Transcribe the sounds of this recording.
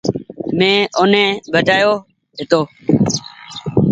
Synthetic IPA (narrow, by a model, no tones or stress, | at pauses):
mẽːʊnẽːbəʈaːjoː | ɦɪt̪oː